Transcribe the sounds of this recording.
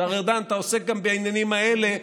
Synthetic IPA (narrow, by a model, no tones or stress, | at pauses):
aʁeʁd̪anat̪aose̞k̚ɡambeajnjanimaele